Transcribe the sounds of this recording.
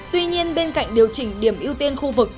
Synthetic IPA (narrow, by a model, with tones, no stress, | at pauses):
t̪wi˧ɲi˧ənɓe˧nka̰˧˨jŋ̟ɗi˨˩əwt͡ɕï˨˩ŋ̟ɗi˧˩əmʔi˧wt̪i˧ənxu˧vɨ˨˩k̚